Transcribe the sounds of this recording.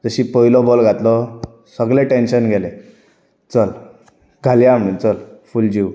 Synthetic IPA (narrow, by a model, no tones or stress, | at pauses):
d͡zəɕiːpəɦilɔbɔlɡʱat̪lɔ | səɡlẽʈenɕənɡʱɛlẽ | t͡səl | ɡʱaljam̤əɽ̃uːnt͡səlfuld͡ʑiw